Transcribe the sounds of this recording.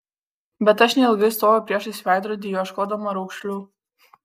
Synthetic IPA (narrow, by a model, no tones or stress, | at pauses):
bʲɛt̪ɐʃnʲɛɪlˠɡɐɪst̪oːʋopʲɾʲiɛʃɪsʲʋʲæˑɪd̪ɾoːd̪ʲijoʃkoːd̪ɐmɐɾɒʊkʃʲlʲuː